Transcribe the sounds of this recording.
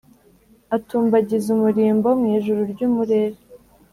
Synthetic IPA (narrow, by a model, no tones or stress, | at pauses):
atuːmbaɟizumuɾiːmbowmŋiːʒuɾuɾɟuːmuɾeːɾe